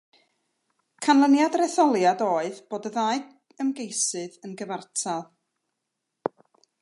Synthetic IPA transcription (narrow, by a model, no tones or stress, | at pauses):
kʰanlˠənjadrɛθɔlˠjadoːɨðb̥oːdəðajɨd | əmɡejsɨðənɡəvartʰalˠ